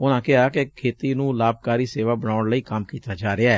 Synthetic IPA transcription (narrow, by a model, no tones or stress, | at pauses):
ʊnãːkɪɦaːkekʰeːt̪iːnũːlaːb̚kaːɾiːseːʋaːbənaːʊɳləiːkəmkiːt̪aːd͡ʒaːɾɪaːɛː